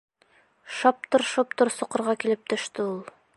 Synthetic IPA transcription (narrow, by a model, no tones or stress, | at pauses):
ʃɑp̚t̪ŏɾʃopt̪ŏɾsŏqɤ̆ɾʁɑkilɘp̚t̪ɵ̆ʃt̪ɘulˠ